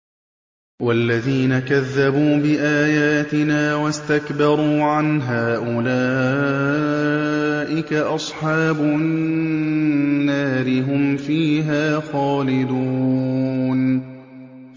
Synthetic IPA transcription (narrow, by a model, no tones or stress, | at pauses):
walːaðiːnakaðːabuːbɪʔaːjaːt̪ɪnaːwast̪akbɑɾˤuːʕanɦaːʔʊlaː | ʔɪkaʔɑsˤħɑːbʊ | nːaːɾɪɦʊmfiːɦaːxaːlɪd̪uː | n